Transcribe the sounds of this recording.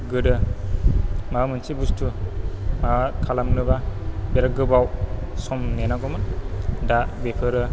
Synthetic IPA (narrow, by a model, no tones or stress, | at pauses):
ɡədə | mamənt͡ʃibustʰumakʰalamnɯbabeɾaɡəbawsɔmnenaɡoməndabepʰəɾə